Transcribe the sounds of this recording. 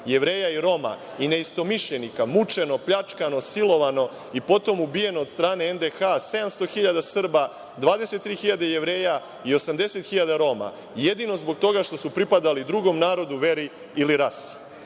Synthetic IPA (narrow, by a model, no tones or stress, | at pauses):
je̞ʋɾe̞ːjaiɾo̞ma̰ | ine̞ist̪o̞miʃʎe̞nikamut͡ʂe̞no̞pʎat͡ʂkano̞silo̞ʋano̞ | ipo̞t̪o̞mubije̞no̞ːd̪st̪ɾaːne̞end̪exase̞d̪amst̪o̞xiʎad̪asr̩ba | d̪ʋaːd̪ese̞t̪ːɾiːxiʎad̪ejeʋɾe̞ːja | io̞samd̪e̞se̞t̪xiʎad̪aɾo̞ma̰ | je̞d̪ino̞zbo̞ɡ̚t̪o̞ɡaʃt̪o̞supɾipad̪alid̪ɾuɡo̞mnaːɾo̞d̪uʋe̞ɾi | iliɾas